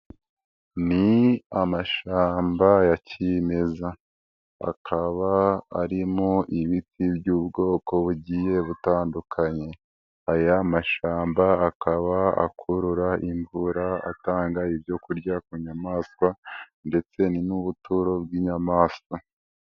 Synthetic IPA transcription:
niamaʃaːmbajacime̞za | a̰kʰaβaːɾimoʔiβitʰibɟuːbɡo̞ːko̞βuɟije̞βutaːndukʰaɲe̞ | ajamaʃaːmbaakʰaβaa̰kʰuɾuɾaiɱvuɾaa̰taːŋɡaibjo̞kuɾɟakuɲamaːskwa | nde̞t͡se̞ninuβutuɾo̞bɡiːɲamaːskwa

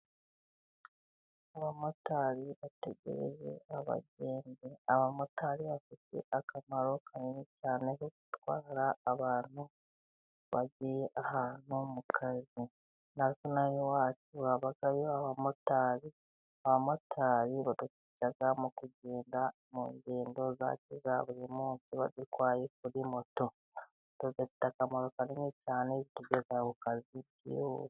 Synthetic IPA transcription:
aβamo̞taːɾiβate̞ɟḛɾḛze̞̰aβa̰ɟe̞ːnbeaβamotaɾiβafite̞̰ʔakʰamaɾo̞kʰaɾiicaːne̞kokutwaːɾaːβaːn̥hu | βaɟijeʔahaːn̥umukʰazi | naɾikonajiwaːtuaβaɡajoaβamotaːɾi | aβamo̞tʰaːɾiβatukicaɡamukuɟeːnda | mṵːɲɟeːndo̞za̰cizaβuɾimuːnsiβa̰zikwaːjek̚uɾimo̞to̞ | tuɡetitakamolokaɾinicaːnezituɡezakukazi | ḭ

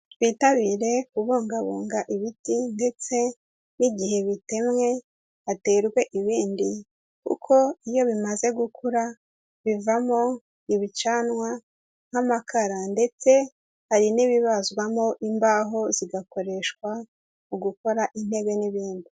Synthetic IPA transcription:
βitaβiɾe̞kuβoːŋɡaβo̰ːŋɡaʔiβitinde̞t͡se̞ | niɟihe̞βite̞mŋe̞ | ate̞ɾɡwe̞ʔiβiːndi | kṵkʰo̞ijo̞βimaze̞ɡukʰuɾa | βivamo | iβit͡ʃaːnwa | ŋ̥hamakʰaɾande̞t͡se̞ | haɾiniβiβazɡwamo̞ʔimbaːɦo̞ziɡako̞ɾe̞ʃkwa | uɡuko̞ɾaʔin̥he̞βe̞niβiːndi

